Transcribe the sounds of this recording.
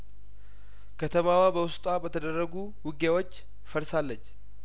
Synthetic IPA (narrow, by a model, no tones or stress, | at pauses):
kʰət̪ʰəmawabəwʊst̪ʼabət̪ʰəd̪ərːəɡu | wɨɡewo̞t͡ʃː | fəɾsalːət͡ʃː